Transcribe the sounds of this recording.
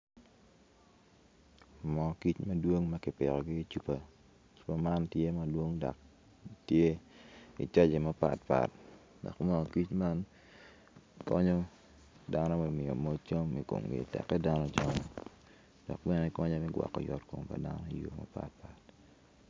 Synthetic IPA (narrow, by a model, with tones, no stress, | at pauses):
mɔ˨ki˦t͡ʃmɐ˦dwo˦ŋmɐ˦kɪ˨pɪ̰˨ɾɔ˨ɡɪ˦t͡ʃu˦pa˨ | t͡ʃu̥˦pa˦ma˦ntje˦ma˦dwo˦ŋdɔ̰˨k̚ | tje˦ḭ˨t͡ʃa˦d͡ʒe˨ma˦pa̰˨t̚pa̰˨t̚ | dɔ̰˨kmɔ˦˨ki˦t͡ʃma˦n | kɔ˦ɲo˦ | da˦nɔ˦mɛ˨mɪ˨o˨mo˦t͡ʃo˦mi˨ko̰˨mɡḭ˨tɛ̰˨kːɛ˦da˦nɔ˦t͡ʃɔ˦ɲɔ˨ | d̥ɔ˨kbɛ˦nɛ˦kɔ˦ɲa˦mɛ˦ɡwa̰˨kːɔ̰˨jɔ˨tko̰˨mpa̰˨da̰˦nɔ˦i˨jo˨ma̰˦pa̰˨t̚pa˨t̚